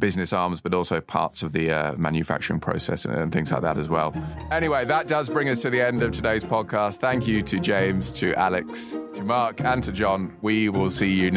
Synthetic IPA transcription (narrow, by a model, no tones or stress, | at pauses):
b̥ɪznɪsɑːmzb̥ʌɾɔˑlˠsəʊpʰɑ̰ˑtsəvðəʌ̰mã̰njɨfa̰k̚t͡ʃəɹɪ̃ŋpʰɹ̥ə̰ʊsɛ̰sə̰̃ə̰̃nθɪ̃ŋzlaɪʔ̚ðə̰ɾəzwɛlˠ | ɛñiweɪðəʔ̚d̥ʌzbɹɪ̃ŋʌstʰəðiɛ̃ndəv̥tʰədeɪz̥pʰɒd̚kʰɑˑst̪θæ̃ŋkjɨtʰɨd͡ʒẽɪ̃mz̥tʰəʔalɪkstʰəmɑˑkʰə̃ntʰəd͡ʒɒ̃nwiwɪlˠsiːjɨn